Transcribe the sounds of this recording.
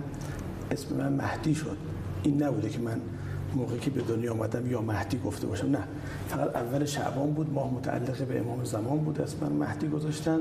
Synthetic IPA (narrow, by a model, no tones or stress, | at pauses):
esme̞̰mʔænmæ̰hd̪̥iːʃo̰d̪̥ | ʔiːnːæbuːd̪ecʰemæn | moːɣecʰebed̪onjɒːmæ̰d̪æmjɒːmæhd̪̥iːɡoft̪ʰe̞bɒ̰ːʃæmnæ | fæɣæt̪ævːæleʃæ̰ʔbɒːmbuːd̪mɒːhmot̪ʰæʔæ̰lːeɣebeʔḛmɒːmezæmɒːnbuːd̪esmemæ̰nmæ̰hd̪̥iːɡozɒːʃt̪æn